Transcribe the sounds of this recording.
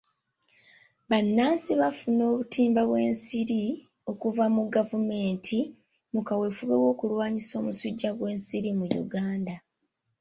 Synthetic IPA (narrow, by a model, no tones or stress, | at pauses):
βanːaːsiβafuno̞ːβutiːmbaβwe̞ːnsiɾi | o̞kuvamuɡavume̞ːntʰi | mukawe̞fuβe̞wo̞ːkulwaːɲiso̞ːmusuɟːaɡwe̞ːnsiɾimujṵɡaːnda